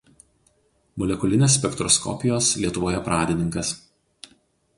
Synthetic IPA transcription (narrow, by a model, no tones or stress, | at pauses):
mʊlʲɛkʊlʲɪnʲeːs̬ʲpʲɛkt̪ɾɔskɔ̰pʲɪjoːslʲiɛt̪ʊʋoːjɛpɾɑːd̪ʲɪnʲɪŋkɐs